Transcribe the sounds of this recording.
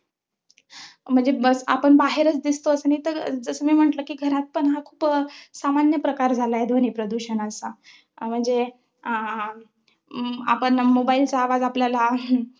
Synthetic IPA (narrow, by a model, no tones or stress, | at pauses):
m̤əɳd͡zebəsa̰pəɳbaɦeɾət͡sd̪ist̪oəsənit̪əɾd͡zəsəːmiːm̤əɳʈləkiːɡʱəɾat̪̚pəɳɦakʰuːpsamanjəpɾəkaɾd͡zʱalajed̪ʱʋənipɾəd̪uɕənəsa | m̤əɳd͡ze | a̰pəɳmobailt͡saːʋad͡zapljala